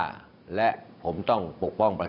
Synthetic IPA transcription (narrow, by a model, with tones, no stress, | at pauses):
lɛ˦˥ʔpʰo˩˦mt̪ɔ˥˩ŋpo˨˩k̚pɔ˥˩ŋpɾa˧